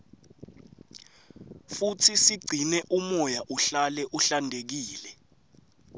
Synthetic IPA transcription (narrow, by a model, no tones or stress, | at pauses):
futʰisiɡ͡ǀʱinɛʔumɔjaʔuɬalɛʔuɬandʱek̬iːlɛ